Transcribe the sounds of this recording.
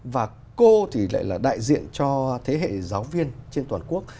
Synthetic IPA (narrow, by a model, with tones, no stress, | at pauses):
vaː˨˩ | ko˧t̪ʰi˨˩la̰ː˧˨jlaː˨˩ɗa̰ː˧˨jzḭ˧˨ənt͡ɕɔ˧t̪ʰe˨˦ɦḛ˧˨zaː˨˦wvi˧ənt͡ɕe˧nt̪waː˨˩nku˦˥ək̚